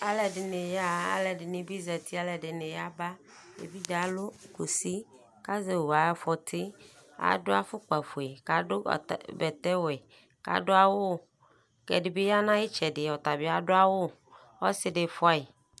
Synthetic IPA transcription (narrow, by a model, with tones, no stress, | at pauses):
a˨lɛ˨ɖɪ˨ne˨ja˦a̰˨lɛ˨ɖɪ˨nĩ˨bi˦zɛ˨t̪ʰi˦a˦lɛ˨ɖe˨ne˨ja˦ba˦ | ḛ˨bi˦d͡ʒa˨lo˦ku˨si˦ | ka˦ze˨wo˨a˨˦fɔ˨t̪ʰi˦a̰˨do˦a˦fʊ˦k͡pa˨fo˨e˨ka˨ɖo̰˦˨bɛ˨t̪ɛ˦wɛ˨ | ka̰˦ɖo˦a˨wo˦˨ | kɛ̰˨ɖe˨be˦ja˦nã˦e˦t͡ʃɛ˨ɖɪ˨ɔ˨t̪a˨bi˦a˨ɖo˦a˦wo˦˨ | ɔ˦sɪ˦ɖe˨fɔ˦a˦e˨